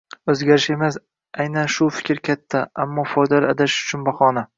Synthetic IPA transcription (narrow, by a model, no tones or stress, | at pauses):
ɵzɡʲaɾɪʃe̞mas | ajnanʃʊfɪ̥kʲʰɾkʲʰat̪ʰːaamːɒfɒjd̪alaad̪aʃʊ̥t͡ʃʰʊnbaχɒna